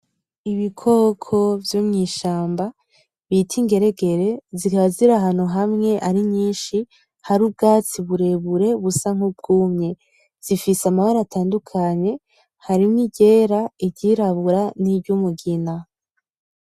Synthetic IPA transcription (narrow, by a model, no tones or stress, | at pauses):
iβikʰokʰo̞vjumŋiːʃaːmba | βitʰiŋɡe̞ɾe̞ɡe̞ɾe̞zikaβaziɾaɦan̥uɦamŋe̞ʔaɾiɲiːnʃi | haɾuːb̚ɡaːt͡siβuɾe̞βuɾe̞βusaŋ̥ub̚ɡuːmɲe̞ | z̥ifiseamahoɾataːndukʰaɲe̞ | haɾimŋiɟe̞ːɾaibɟiɾaβuɾanibɟumuɡina